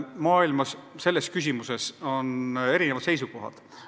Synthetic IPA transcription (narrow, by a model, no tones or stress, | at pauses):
mɑːilmɑsse̞lːe̞skys̬ʲimuse̞so̞ne̞ɾinevɑd̪̥se̞jsuko̞ɦɑ̰d̪̥